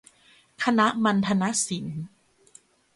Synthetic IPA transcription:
kʰa˧na˦˥ʔma˧nt̪ʰa˧na˦˥ʔsi˩˦n

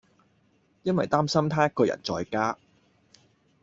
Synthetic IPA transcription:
jɐ˥nwɐ˨jt̪aː˥msɐ˥mt̪ʰaː˥jɐ˥t̚kɔː˧jɐ̰˨˩nt͡sɔː˨˧jkaː˥

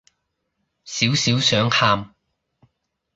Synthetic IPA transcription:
siː˨˥wsiː˨˥wsœː˨˥ŋhaː˧m

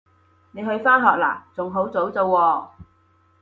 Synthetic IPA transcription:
ne˨˧jhɵ˧ɥfaː˥nɦɔː˨k̚la̰ː˨˩t͡sʊ˨ŋɦo˨˥wt͡so˨˥wt͡so˧wːɔː˧

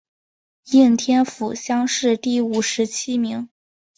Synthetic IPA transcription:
i˥˩nt̪ʰjɛ˥nfu˨˩ɕjɑ˥ŋʂɻ̩˥˧t̪i˥˩u˨˩ʂɻ̩˧˥t͡ɕʰi˥mi˧˥ŋ

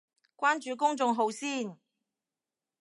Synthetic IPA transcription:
kʷaː˥nt͡ʃyː˨˧kʊ˥ŋt͡sʊ˧ŋɦo˨˧wsiː˥˩n

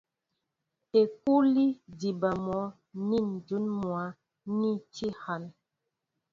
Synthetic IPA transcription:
e˨k̚u˦li˦di˨ba˨mɔ˨˦ | ni˦˨n˨du˨˦nmwa˨˦ | nĩ˦ti˦ha˨n

